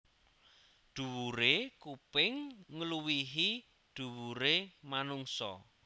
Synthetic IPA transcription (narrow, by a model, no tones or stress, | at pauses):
ɖ̪̥ṳwuɾekupɪŋːəluwiɦi | ɖ̪̥ṳwuɾemanuŋsɔ̰